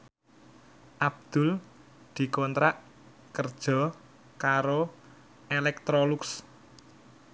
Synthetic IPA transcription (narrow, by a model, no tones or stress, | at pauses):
ʔab̚d̪̥ʊ̤l | d̪̥i̤kɔnt̪ɾaʔ | kərd̥ʒ̥ɔ̤ | kaɾo | ʔelɛk̚t̪ɾolʊks